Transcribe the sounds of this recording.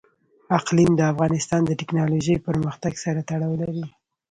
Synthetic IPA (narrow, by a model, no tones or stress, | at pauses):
aqlimd̪əafɣɑnɪst̪ɑnd̪əʈɪknɑloʒəjpəɾməxt̪aɡsaɾat̪aɽɑwlaɾi